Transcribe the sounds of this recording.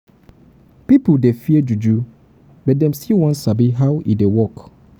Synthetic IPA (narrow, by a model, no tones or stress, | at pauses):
pipudefiɛd͡ʒud͡ʒu | bɛt̚dɛ̃msiwɔ̃nsabiɦawʔḭdewɔk